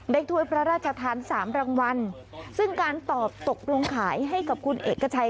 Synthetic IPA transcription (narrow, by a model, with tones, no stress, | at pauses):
daː˥˩jt̪ʰu˧˥˩əjpʰɾa˦˥ɾaː˥˩t̪̚t͡ɕʰa˧t̪ʰaː˧nsaː˩˦mɾaː˧ŋwa˧n | sɯ˥˩ŋkaː˧nt̪ɔː˨˩p̚t̪o˨˩k̚lo˧ŋkʰaː˩˦jɦa˥˩jka˨˩p̚kʰu˧nʔḛː˨˩kʰːa˧t͡ɕʰa˧